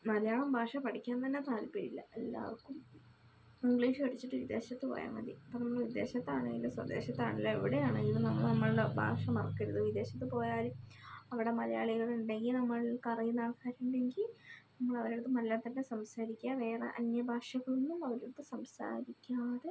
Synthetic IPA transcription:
mɐðɐjaːɭɐmbʱaːʂɐpɐʈʰikʲːaːnt̪ɐnːe̞t̪aːlpeɽḭlːɐ̰elːa̰ːrkːum | iŋɡɭiːʂɨɐɽit͡ɕːiʈːɨʋid̪ːe̞ːɕɐt̪ːɨpo̞̰ːja̰ːmɐ̰d̪ḭɐpːonɐmːuɭʋid̪ːe̞ːɕɐt̪ːaːɳe̞̰ŋɡilːɐswɐ̰d̪e̞ːɕɐt̪ːa̰ːɳilːɐeʋiɽejaːɳeŋɡilnɐmːɐnɐmːɐɭuɽebʱa̰ːʂɐmɐrɐkːɐɾuðɨʋid̪ːe̞ːɕɐt̪ːɨpo̞ːjaːluɐʋiɽe̞mɐðɐja̰ːɭiɣɐɭuɳɖe̞ŋɡilnɐmːɐɭkɐrijunːaːɭkaːɾuɳɖeŋɡilnɐmːɐɭɐʋɐɾiɽut̪ːɨmɐllːaːnt̪ɐnːe̞sɐmsaːɾikʲːaʋe̞ːrḛʔɐnjɐbʱaːʂɐɣɐɭunːumɐʋɐɾiɽut̪ːɨsɐmsa̰ːɾikʲːaːðe

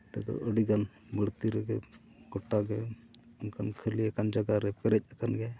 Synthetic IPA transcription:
ʈɛ̰d̪ɔ̰ʔəɽiɡan | bəɽt̪iɾɛɡɛ | ɡɔʈːaɡɛ | unkankʰəɾliɛkand͡ʒaɡaɾɛpɛɾɛc̚ˀakanɡɛ

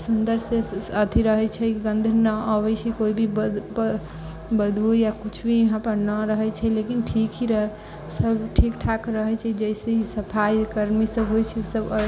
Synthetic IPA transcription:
sund̪əɾseət̪ʰiɾəɦɛt͡ʃʰɛɡənd̪ʱənəəbɛt͡ʃʰɛkoibʱib | bəd̪ʱujakut͡ʃʰbʱiɦãpəɾnəɾəɦɛt͡ʃʰɛlekinʈʰikɦiɾəɦɛ | səbʈʰikʈʰakɾəɦɛt͡ʃʰɛd͡ʒɛjseisəpʰajkəɾmisəbɦojt͡ʃʰɛsəb

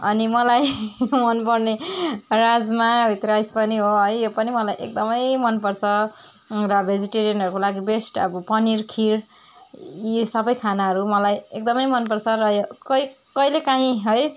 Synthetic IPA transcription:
ʌ̰nimʌlajmʌnpʌrneɾad͡zmabʱit̪ɾajspʌniɦoɦʌjjopʌnimʌlajʔḛk̚d̪ʌmʌjmʌnpʌrt͡sʰʌ | rʌbʱed͡ziʈeɾijʌnɦʌɾukolaɡibesʈʌ̰bʌpʌniɾkʰiɾ | isʌbʌjkʰanaɦʌɾumʌlajek̚d̪ʌmʌjmʌnpʌrt͡sʰʌɾʌjokʌj | kʌjlekaɦĩɦʌj

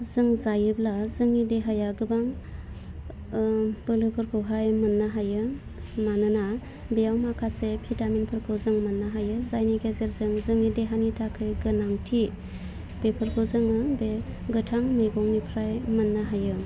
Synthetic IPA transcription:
zɯŋzajɯblazɯŋideɦajaɡɯbaŋ | b̥ɯlɯpʰɯɾkʰɯwɦajmɯnːaɦajɯ | manɯna | bejawmakʰasepʰitaminpʰɯɾkʰɯwzɯŋmɯnːaɦajɯzajniɡezeɾzɯŋzɯŋideɦanitʰakʰɯjɡɯnaŋtʰi | b̥epʰɯɾkʰɯwzɯŋɯbeɡɯtʰaŋmɯjɡɔŋnipʰɾajmɯnːaɦajɯ

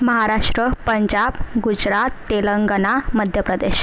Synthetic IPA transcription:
məɦaɾaʂʈɾəpəɲd͡ʑabɡud͡ʑɾat̪ːeləŋɡənaməd̪ʱjəpɾəd̪eɕ

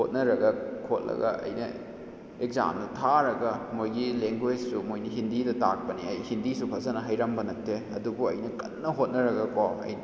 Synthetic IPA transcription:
hot̚nɐɾɐɡɐkʰot̚lʔɐ̰ɡɐ̰ʔɐ̰jnɐ | ekza̰mnɐtʰaɾɐɡɐmojɡileŋɡwed͡ʒsumojniɦindidɐtak̚pɐniɐjhindisupʰɐzɐnɐɦɐjɾɐmbɐnɐtʰːeɐdubuɐ̰jnɐkɐnnɐɦot̚nɐɾɐɡɐkomɐ̰jn

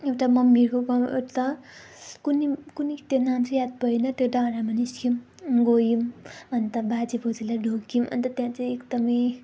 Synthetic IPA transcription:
ewʈamʌmːirkokʌmḛt̪ʌ | kunikunit̪jenant͡sjat̪̚bʌinʌt̪jodaɾamaniskʰim | ɡojimʌnt̪ʌbat͡sipʰot͡silajɖʱokimʌ̰nt̪ʌt̪jãt͡sʌj̃ekd̪ʌmʌj

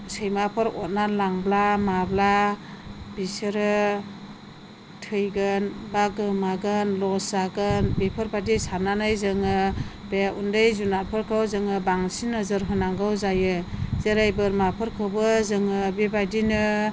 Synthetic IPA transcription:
sɯjmapʰɯɾɔt̚nalaŋblamabla | bisɯɾɯ | tʰɯjɡɯnbaɡɯmaɡɯnlɔsaɡɯnbepʰɯɾbadisananajzɯŋɯb̥eundɯjzunat̚pʰɯɾkʰawzɯŋɯbaŋsinɯzɯɾɦɯnaŋɡɯwzajɯzɯɾajbɯɾmapʰɯɾkʰɯbɯzɯŋɯbebadinɯ

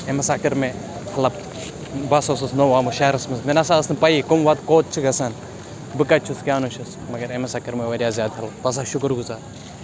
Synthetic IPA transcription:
emɐsakɐɾme | hɐlɐb̚ | bɐsosɐsnowaːmuʃaɾɐsmɐsmenɐsaːɐsnpɐikomʋɐt̪koːt̪̚t͡ʃʰiɡɐsɐn | bɨkɐt͡ʃʰuskʲjaːnoʃɐs | mɐɡɐɾemɐsakɐɾmeʋɐɾijaːzʲjaːd̪ʰɐlɐt̪oɐs̬aːʃʊkɾɡuzaːɾ

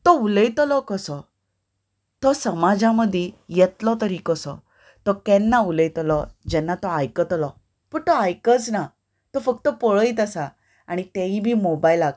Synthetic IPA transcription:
t̪ɔuləjt̪lɔkəsɔ | t̪ɔsəmad͡zaməd̪ʱijɛt̪lɔt̪əɾikəsɔ̰ | t̪ɔkɛnːauləjt̪lɔd͡ʑɛnːat̪ɔajkət̪lɔ | pəɳt̪ɔajkət͡sna | t̪ɔfək̚t̪əpɔɭəit̪əsa | aɽ̃it̪ɛ̃ibʱiːmobajlaɡ

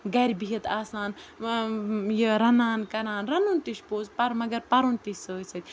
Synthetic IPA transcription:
ɡɐɾʲbiɐt̪aːsaːn | jəɾɐnaːnkɐɾaːnɾɐnunt̪iʃpoːzpɐɾmɐɡɐɾpɐɾunt̪isʲsəːjsɐt̪ʲ

